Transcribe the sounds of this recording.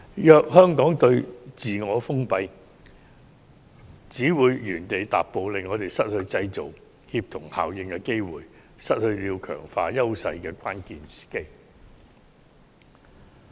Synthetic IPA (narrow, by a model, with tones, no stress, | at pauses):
jœː˧k̚hœː˥ŋkɔː˨˥ŋt̪ɵ˧ɥt͡siː˨ŋɔː˨˧fʊ˥ŋpɐ˧j | t͡siː˨˥wuː˨˧jɥyː˨˩nt̪e˨jt̪a̰ː˨pːo˨wlɪ˨ŋːɔː˨˧t̪e˨˩jsɐ˥t̚hɵ˧ɥt͡sɐ˧jt͡so˨˩w | hiː˧p̚t̪ʰʊ˨˩ŋha̰ː˨wjɪ˨˧ŋkɛː˧ke˥jwuː˨˩j | sɐ˥t̚hɵ˧ɥliː˨˧wkʰœ̰ː˨˩ŋfa̰ː˧jɐ˥wsɐ˧jkɛː˧kʷaː˥nkiː˨nsi̥ː˨˩ke˥j